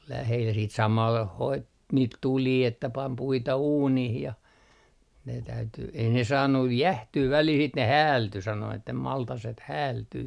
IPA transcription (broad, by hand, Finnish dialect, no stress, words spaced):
ol læhel siːt sɑmɑl hoit niːt tuliː etːæ pɑm puitɑ uːnih jɑ ne tæyty ei ne sɑːnːuj jæhtyː ʋælil sit ne hæːlty sɑno etːæ mɑltɑset hæːltyː